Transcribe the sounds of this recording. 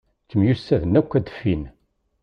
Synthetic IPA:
kːəmjusːæðənækʷːæd̪ə̥fːin

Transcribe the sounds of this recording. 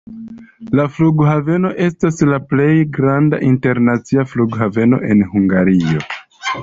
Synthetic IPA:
lafluɡhave̞no̞ʔe̞staslaple̞jɡɾanda̰ʔinte̞ɾnat͡siafluɡɦave̞no̞̰ʔe̞nhuŋɡaɾio̞̰

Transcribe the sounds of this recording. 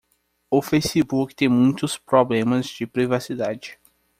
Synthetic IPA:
ʊfejsɪbukɪ̥t̪ẽj̃mũj̃t̪ʊspɾoblẽmɐzd͡ʒɪpɾivasid̪ad͡ʒɪ

